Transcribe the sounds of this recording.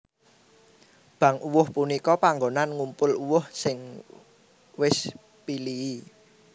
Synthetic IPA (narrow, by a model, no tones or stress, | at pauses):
b̥ä̤ŋuwʊhpunikɔpaŋɡonanŋumpʊluwʊhsɪŋ | wɪs | pilii